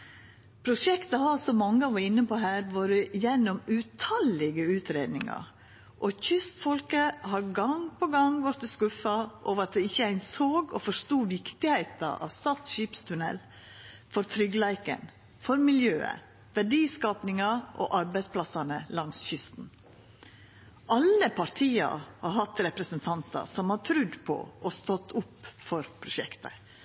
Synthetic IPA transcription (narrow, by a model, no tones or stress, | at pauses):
pʰɾʊʂɛkt̪əhɑsɔmɑŋːəɑʋɑɾɪnːəpɔɦæːɾʋoːɾəjɛnːɔmʉt̪ʰɑlɪɡəʉːt̪ɾeːd̪nɪŋɑ̰ | ʔɔçʏst̪fɔlkəhɑɾɡɑŋpʰɔɡɑŋʋɔɾt̪əskʉfɑʔɔʋɑt̪̚d̪ɛɪçːəæɪnsoːɡɔfɔʂt̪uːʋɪkt̪ɪhæɪt̪ɑ̰ʔɑ̰ːʋst̪ɑːt̪sɕiːpst̪ʰʉnɛ̰l | fɔɾt̪ʰɾʏɡəlæɪkə̰n | fɔɾmɪljøːə̰ | ʋæɖiːskɑːpnɪŋɑʔɔ̰ʔɑɾbæɪspʰlɑsɑnəlɑŋsɕʏst̪n̩ | ʔɑlːəpʰɑɾt̪ʰiːɑ̰hɑɾhɑt̪ɾɛpɾəsənt̪ʰɑnt̪ɑ̰sɔmhɑɾt̪ʰɾʉd̪pʰɔ̰ʔɔst̪ɔt̪ʰːʊpːfɔɾpʰɾʊʃɛkt̪ə